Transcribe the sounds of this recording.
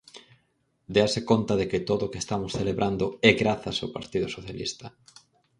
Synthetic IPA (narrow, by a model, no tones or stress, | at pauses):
d̪easekont̪ɐðekɪt̪oðoʊkest̪amʊsθeleβɾʔand̪ʊɛɣɾaθɐsawpa̰ɾt̪iðosoθjalḭst̪ɐ